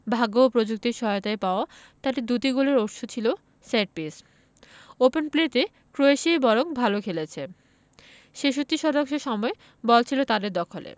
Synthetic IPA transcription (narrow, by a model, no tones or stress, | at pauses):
bʱaɡoopɾod͡ʑuk̚t̪iɾʃɔɦɔjot̪aepaoa | t̪aʈid̪ut̪iɡoleɾoʈʃot͡ɕʰilo | seʈ̚pis | openplet̪e | kɾoeʃejbɔɾoŋbʱalokʰelet͡ɕʰe | ʃeʃut̪ːiʃɔd̪oŋʃoʃɔmɔe | bɔlt͡ɕʰilot̪ad̪eɾd̪ɔkʰolḛ